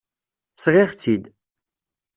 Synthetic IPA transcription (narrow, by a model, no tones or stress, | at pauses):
sʁɪʁt͡sːid̪